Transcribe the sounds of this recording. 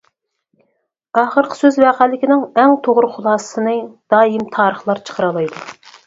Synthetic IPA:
ɑːχəɾqʰə̥søzwæqʰælɪkʲinɪŋɛŋt̪ʰoʁʊɾχʊlˠɑːsə̥sɨnɨd̪̥ɑːjimt̪ʰɑːɾəχlˠɑɾt͡ʃʰə̥qʰəɾɑlˠɑjd̪u

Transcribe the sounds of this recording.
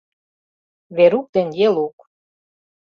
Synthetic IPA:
βeɾuk̚d̪enjeluk

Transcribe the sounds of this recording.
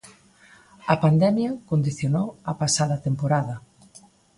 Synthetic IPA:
ɐpand̪ɛmjɐkond̪iθjonowɐpasaðɐt̪empoɾaðɐ

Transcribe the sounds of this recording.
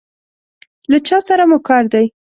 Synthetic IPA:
lat͡ʃɑsaɾamukɑɾd̪aj

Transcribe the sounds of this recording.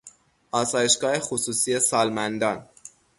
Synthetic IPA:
ʔɒːsɒːje̞ʃɡɒːhe̞xosuːsie̞sɒːlmænd̪ɒːn

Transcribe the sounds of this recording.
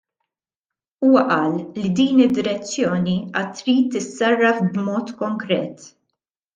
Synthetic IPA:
uːwɐʔɐːlːid̪iːnɪd̪ːɪɾɛt͡sːjɔːniɐt̪ːɾiːt̪ːɪsːɐrːɐfbmɔːt̪kɔŋkɾɛ̰ːt̪

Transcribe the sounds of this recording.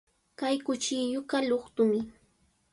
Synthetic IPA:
kajkʊt͡ʃɪjʊkaʎoχt̪ʊmɪ

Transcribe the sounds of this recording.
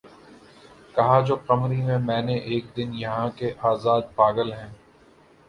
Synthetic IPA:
kɐɦad͡ʒoːqɐmɾimẽmɛ̃ːneʔeːk̚d̪ɪnjɐɦãkeʔaːzaːd̪̚paːɡəlɦɛ̃ː

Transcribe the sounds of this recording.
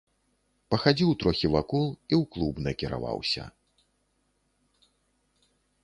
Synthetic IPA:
pɐxad͡zʲiwt̪ɾɔxʲivakulˠiwklˠubnɐkʲiɾa̰va̰wsʲɐ̰

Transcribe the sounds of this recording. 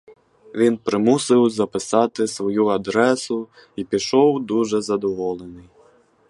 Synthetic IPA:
vʲinpɾɪmusɨwzɐpɪsɑt̪ɪsʋɔjuad̪ɾɛsu | ipʲiʂɔwd̪uʐɛzɐd̪ɔʋɔlˠɛnɨj

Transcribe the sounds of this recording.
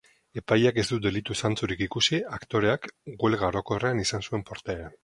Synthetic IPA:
e̞pajake̞zd̪ud̪e̞lit̪usant͡suɾikikusiakt̪o̞ɾe̞akɡwe̞lɣaɾo̞ko̞reanisansue̞mpo̞ɾt̪aeɾan

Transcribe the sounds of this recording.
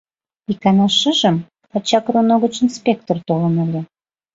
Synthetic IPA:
ikɑnɑʃəʒə̆m | ɑt͡ɕɑkronoɣət͡ɕinspʲekt̪ort̪olə̆nəlʲe

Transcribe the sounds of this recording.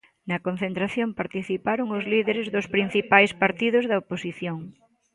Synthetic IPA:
nɐkon̟θent̪ɾaθjompaɾt̪iθipaɾoŋʊzliðeɾezðospɾin̟θipajspaɾt̪iðʊzðɐoposiθjoŋ

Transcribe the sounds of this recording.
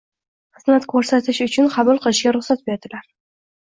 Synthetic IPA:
qɨzmat̪kʰɵɾsat̪ʰɪʃʊt͡ʃʰʊnqʰɑbʊlˠqʰɨlˠɪʃɡʲaɾʊχsat̪̚be̞ɾd̪ɪlaɾ

